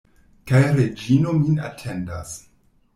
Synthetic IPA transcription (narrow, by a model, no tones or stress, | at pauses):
kajɾed͡ʒino̞mina̰tʰe̞nda̰s